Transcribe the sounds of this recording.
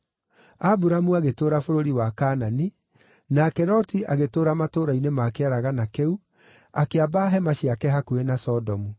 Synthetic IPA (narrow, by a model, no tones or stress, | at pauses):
abuɾamuaɣetoːɾafoɾoɾiwakaːnani | nakɛɾɔtiaɣetoːɾamatoːɾainemakeɛɾaɣanakɛu | akeabaɦɛmaɕiakɛɦakuenasɔdɔmu